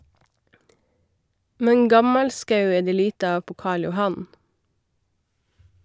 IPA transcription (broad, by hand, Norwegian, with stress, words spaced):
ˈmɛn ˈɡɑmɑlˌskɑʉ ˈeː ˈdeː ˈliːtə ˈɑːʋ ˈpoː ˈkɑːɭ jʊˈhɑn